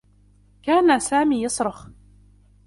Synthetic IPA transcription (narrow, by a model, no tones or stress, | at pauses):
kaːnasaːmiːjɑsˤɾˤəx